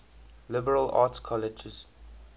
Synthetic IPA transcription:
lɪbəɹəla̰ːtskʰɔlɪd͡ʒɪz̥

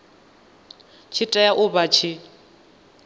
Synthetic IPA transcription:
t͡ʃʰitʼajaʔʊβat͡ʃʰɪ

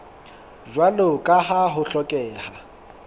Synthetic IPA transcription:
ʒwalokʼaɦaɦʊɬɔkʼɛːha

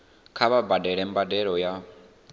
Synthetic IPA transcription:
kʰaβabadɛɺɛmbadɛɺɔja

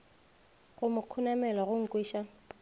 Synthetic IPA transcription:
ɣʊmʊkʰunamɛlaɣʊŋ̩kʼwiːʃa

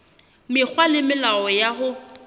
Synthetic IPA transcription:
mɪk͡xʰwalɪmɪlaɔjaɦʊ

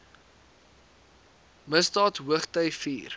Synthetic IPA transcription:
məsdɑːtɦuəχtœɥfiːr

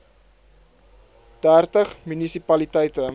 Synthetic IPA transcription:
d̥ærtəχmynisipɐlitɛjtə

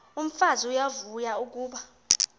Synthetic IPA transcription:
um̩faziujavujauk̬uːɓa

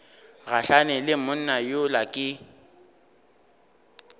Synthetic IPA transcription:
ɣaɬanɛlɪmʊn̩najolakʼɪ

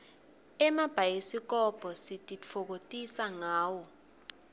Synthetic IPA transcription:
ɛmab̥ʱajesik̬ʼɔb̥ʱɔsitʼit͡fʰok̬otʼisaŋaːwɔ

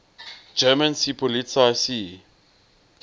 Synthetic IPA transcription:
d͡ʒɛmansipʰɔlitʰasi

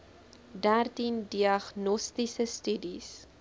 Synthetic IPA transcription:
dærtindiɐχnɔstisəstydis

